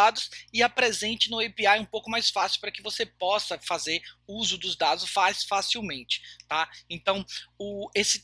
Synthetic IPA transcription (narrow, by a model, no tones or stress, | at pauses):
ad̪ʊsɪɐpɾezẽnt͡ʃɪnʊejpiaɛũpowkʊmajsfasiuwpɾɐkɪvosepɔsɐfazeɾuzʊd̪ʊzd̪ad̪ʊsfasfasiwmẽnt͡ʃɪ̥t̪aẽnt̪ɐ̃w̃ʊesɪ